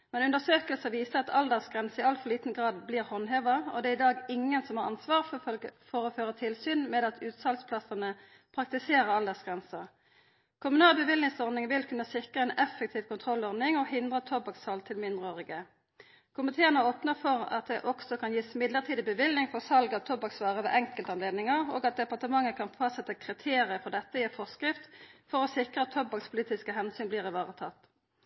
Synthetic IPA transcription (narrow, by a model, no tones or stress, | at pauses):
mɛnʉnd̪əsøːkəlsəʋiːsəɑt̪ʰɑld̪ɛʁsɡʁɛnsəɪɑlfɔʁliːt̪n̩ɡʁɑːd̪bliːʁhɔnɦeːʋəɔ̰d̪ɛːɪd̪ɑːɡɪŋənsɔmhɑːʁɑ̰nsʋɑːʁfɔɾɔføːʁət̪ʰɪlsyːnmɛːd̪ɑt̪ʰʉːt̪sɑlspʰlɑsənə | pʰʁɑk̚t̪ɪseːɾəʁɑld̪ɛsɡ̥ʁɛnsə | kʰʊmʉnɑːlbəʋɪlnɪŋsɔʁd̪nɪŋʋɪlkʰʉnːəsɪkʁəɛnɛfɛk̚t̪ʰiːʋkʰʊnt̪ʰʁɔlːɔʁd̪nɪŋɔhɪnd̪ʁət̪ʰɔbɑksɑlt̪ʰɪlmɪnd̪ʁəoːʁɪɡə | kʰʊmɪt̪ʰeːənəoːpnəfɔʁɑ̰t̪̚d̪ɛʔɔksɔkʰɑnjiːsmɪd̪ləʁt̪ʰiːd̪ɪbəʋɪlnɪŋfɔʁsɑlɡəɑt̪ʰːɔbɑksʋɑːʁəʋɛ̰ːʔɛŋkəlt̪əɑnleːd̪nɪŋɑʁo̰ːɡɑt̪̚d̪ɛpɑʁt̪əmɑŋːəkʰɑnfɑssɛt̪ːəkʰʁɪt̪ʰeːʁɪəfɔʁd̪ɛt̪ːəifɔʁskʁɪft̪fɔʁɔsɪkʁəɑt̪ʰːɔbɑkspʰʊliːt̪ɪskəɦɛnsyːnbliːʁɪʋɑːʁət̪ʰɑ̰t̪ː